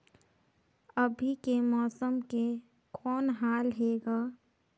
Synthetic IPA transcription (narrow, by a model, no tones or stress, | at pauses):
əbʱikemɔːsəmke | kʰɔːnɦaːlɦeːɡaː